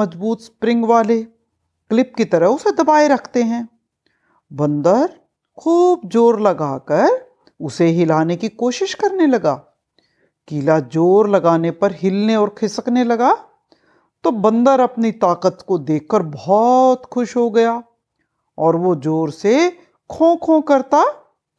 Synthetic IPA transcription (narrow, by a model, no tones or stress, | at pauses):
mɐd͡ʒbuːt̪spɾɪ̃ŋɡʋaːle | klɪp̚kit̪ɐɾəɦʊsed̪ɐbaːeɾɐkʰt̪eɦɛ̃ː | bɐ̃nd̪əɾ | kʰuːbd͡ʒoːɾlɐɡaːkɐɾ | ʊseɦɪlaːnekikoːʃɪʃkɐɾnelɐɡa̰ː | kiːlad͡ʒoːɾlɐɡaːnepɐɾɦɪlneɔːɾkʰɪsəknelɐɡa | t̪obɐ̃nd̪əɾɐpnit̪aːqət̪kod̪eːkʰːəɾbɔɦɔːt̪xʊʃɦoɡɐjaː | ɔːɾʋod͡ʒoːɾse | kʰõːkʰõkɐɾt̪aː